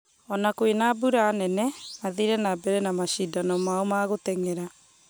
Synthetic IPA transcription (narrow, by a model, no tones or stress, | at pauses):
ɔnakoenabuɾaːnɛnɛaðiɾɛnabɛɾɛnamaɕidanɔmaomaɣotɛŋeɾa